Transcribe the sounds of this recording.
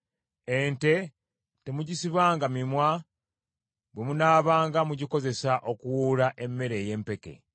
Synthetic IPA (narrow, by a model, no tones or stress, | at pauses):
e̞nte̞ | te̞muɟisiβaːŋɡamimwa | bwemunaːβaːŋɡamuɟiko̞ze̞saʔo̞kuwuːlaʔe̞mːe̞ɾe̞ːje̞ːmpe̞ke̞̰